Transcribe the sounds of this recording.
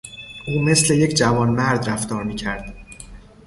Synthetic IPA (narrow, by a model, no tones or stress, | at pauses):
ʔuːme̞sle̞je̞cʰd͡ʒævɒːnmæɾd̪ræft̪ɒːɾmiːcʰæɾd̪̥